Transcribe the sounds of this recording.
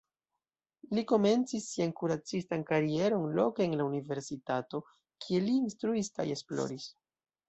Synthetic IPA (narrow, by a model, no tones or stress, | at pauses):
liko̞me̞nt͡sisːiankuɾat͡sistankaɾie̞ɾo̞nlo̞keenlaunive̞ɾsitato̞ | kʰie̞liːnstɾuiska̰je̞splo̞̰ɾis